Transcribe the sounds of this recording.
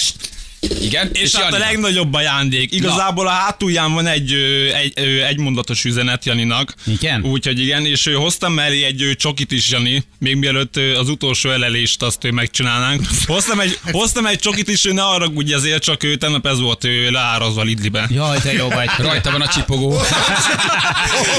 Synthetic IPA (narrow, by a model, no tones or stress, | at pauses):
iɡɛneːʃt̪ːɒlɛɡnɒɟo̞bːɒjaːnd̪eːkiɡɒzaːboːlɒɦaːt̪uːjaːɱvɒnɛɟːøːɛøːɛɟmo̞nd̪ɒt̪o̞ʃyzɛnɛt̪jɒninɒkiɡ̥ɛnuːcho̞ɟiɡɛneːʃøːɦo̞st̪ɒmːɛlːeːɛɟːøːt͡ʃo̞kit̪iʃjɒnimeːɡmiɛløt̪ːøːɒzut̪o̞ːlʃoːɛlɛleːʃt̪ɒst̪øːmɛkt͡ʃinaːlnaːŋkho̞st̪ɒmɛɟho̞st̪ɒmɛc̚t͡ʃo̞kit̪iʃøːnɛɒrɒɡuːɟɛzeːrt͡ʃɒkøːt̪ɛbnɒpɛzʋo̞lt̪øːlaːɾozʋɒlid̪libɛjd̪ɛoɾɒjt̪ɒbɔnɒt͡ʃipoɡoː